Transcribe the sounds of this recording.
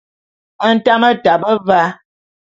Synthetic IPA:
ə˦n̩˦ta˦mə˦ta˨bə˦va˦

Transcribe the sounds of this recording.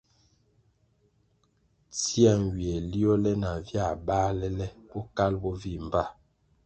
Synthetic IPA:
t͡si˦a˦˨ŋwi˨ɛ˨li˦ɔ˦lɛ˦na˨vja˦˨baː˦lɛ˦lɛ˦bɔ˦ka˦lbɔ˦vi˦˨m˨ba˦˨

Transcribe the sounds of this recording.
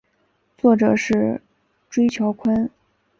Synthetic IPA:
t͡swɔ˥˩ʈ͡ʂɤ˨˩ʂɻ̩˥˩ | ʈ͡ʂwe˥ɪt͡ɕʰjo˧˥ʊkʰwə˥n

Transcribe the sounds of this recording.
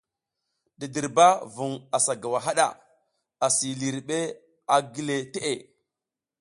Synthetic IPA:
di˨di˨ɾba˦vu˨ŋa˨sa˨ɡa˨wa˨ɦa˦ɗa̰˨ | a˨si˨li˨ɾɓe˦ | a˨ɡi˦le˨te˦ʔe˨

